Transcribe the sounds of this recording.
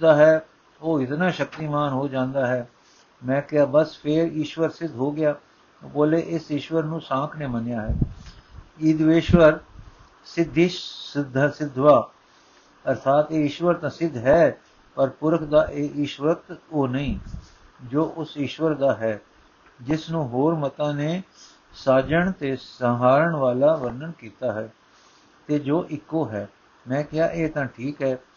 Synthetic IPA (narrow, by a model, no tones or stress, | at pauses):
d̪aːɦɛː | oːɪt̪naːʃək̚t̪iːmaːnɦoːd͡ʒãːnd̪aːɦɛː | mɛ̃ːkɪaːbəspʰɪɾiːʃʋəɾsɪd̪ʱɦoːɡɪjaː | boːleːʔɪsɪʃʋəɾnũːsãːkʰneːmənjaːɦɛː | iːd̪ʋeːʃʋəɾ | sɪd̪ʱːiːsd̪sɪd̪ʱːʋaː | əɾt̪ʰaːt̪eːɪːʃʋəɾt̪ãːsɪd̪ʱɦɛː | pəɾpʊɾəkʰd̪aːʔeːiːʃʋək̚t̪oːnəĩː | d͡ʒoːʔʊsiːʃʋəɾd̪aːɦɛː | d͡ʒɪsnũːɦoːɾmət̪ãːneː | saːd͡ʒəɳt̪eːsəɦaːɾəɳʋaːlaːʋəɾnəɳkiːt̪aːɦɛː | t̪eːd͡ʒoːʔɪkːoːɦɛː | mɛ̃ːkɪjaːʔeːt̪ãːʈʰiːkɦɛː